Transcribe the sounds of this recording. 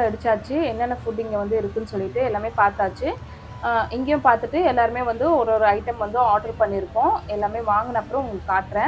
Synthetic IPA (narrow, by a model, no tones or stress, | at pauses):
ɛɽɯt͡ʃːaːt͡ʃːɯɛnːɛnːɐfuʈɪŋɡeʋɐnd̪ɯɪɾɯkːɯnːɯsɔlːɪʈːɯɛlːaːmeːpaːɾt̪aːt͡ʃːɯ | ʔɪŋɡejʊ̃paːɾt̪ɯʈːɯɛlːaːɾɯmeːʋɐnd̪ɯɔɾɔɾɯɐɪʈɐmʋɐnd̪ʊ̃aːʈɐɾpɐɳːɪɾɯkːʊ̃ɛlːaːmeːʋaːŋɡɯnɐɐpːɯɾɔ̃ʊŋɡɐɭːkːaːʈːɾɛ̃ː